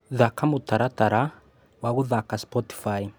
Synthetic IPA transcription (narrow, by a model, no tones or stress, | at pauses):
ðakamutaɾataɾa | waɣuðakaspɔti̥fai